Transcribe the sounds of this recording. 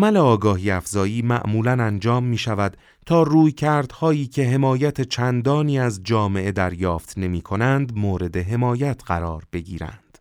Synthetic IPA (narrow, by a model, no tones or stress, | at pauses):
mæle̞ɒːɡɒːɦiːæfzɒːjiːmæ̰ʔmuːlænænd͡ʒɒːmːiːʃævæd̪ | t̪ʰɒːruːjcʰæɾd̪̥hɒːiːcʰe̞ɦe̞mɒːjæt̪ʰe̞t͡ʃʰænd̪ɒːniːæzd͡ʒɒːme̞ʔe̞d̪æɾjɒːft̪ne̞miːkʰo̞nænd̪moːɾe̞d̪e̞ɦe̞mɒːjæt̪ʰɢæɾɒːɾbe̞ɡiːɾæ̰nd̪̥